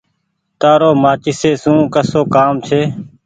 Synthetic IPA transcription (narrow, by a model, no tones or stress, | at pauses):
t̪aːɾoːmaːt͡ʃiːseːsũːkəsoːkaːmt͡ʃʰeː